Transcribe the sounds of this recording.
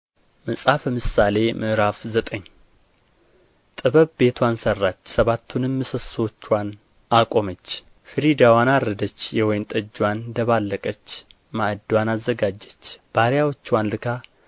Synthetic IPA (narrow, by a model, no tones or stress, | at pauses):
mɨsʼafəmɨsale̞mʔɨʔɨɾafzət̪ʼəɲː | t̪ʼɨβəβbe̞t̪ʰwansərːat͡ʃːsəβat̪ʰːunɨmːɨsɨswot͡ʃːwan | akʼo̞mət͡ʃː | fɨɾid̪awanaɾəd̪ət͡ʃːjɛwɔjmt̪ʼəd͡ʒːwand̪əβalːəkʼət͡ʃː | maʔd̪wanazːəɡad͡ʒːət͡ʃːb̥aɾjawot͡ʃːwanlɨkʰa